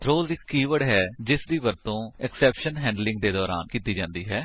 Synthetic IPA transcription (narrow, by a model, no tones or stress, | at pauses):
t̪ʰɾoːzɪkːiːʋəɽɦɛːd͡ʒɪsd̪iːʋəɾt̪õːɛksɛːpʃənɦɛ̃ːɳɖlɪ̃ŋɡ̚d̪eːd̪ɔːɾa̰ːnkiːt̪iːd͡ʒãːnd̪iːɦɛː